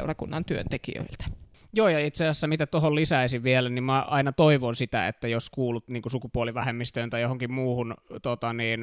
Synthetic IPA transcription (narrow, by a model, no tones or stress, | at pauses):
urɑkunːɑnt̪yø̰nt̪ekḭø̰ilt̪æ̥ | joːjɑit̪seɑsːæmit̪æt̪ohollisæisiʋʋielænimmæʔɑinɑt̪oiʋonsit̪æ̰ḛt̪ːæjoskuːlut̪niːŋkusukupuoliʋæhemːist̪øːnt̪ɑjohoŋkimmuːhunt̪ot̪ɑniːn